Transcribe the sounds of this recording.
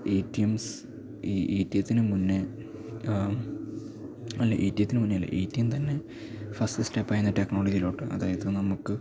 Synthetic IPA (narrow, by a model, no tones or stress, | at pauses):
ejtːijɐms | iːʔeːtːjɐt̪ːinɨmunːɨ | ɐlːɐʔḛːtːjɐt̪ːinɨmunːejɐlːɐ̰ʔḛjtːijɐmt̪ɐnːe̞ | fɐstɨsʈepːaːjunːɐtekːnoːɭɐd͡ʑijiloːʈːɨɐ̰ðaːjɐðɨnɐmukːɨ